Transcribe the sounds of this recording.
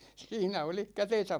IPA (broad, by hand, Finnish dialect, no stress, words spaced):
siːnæ olih kæten̞sæp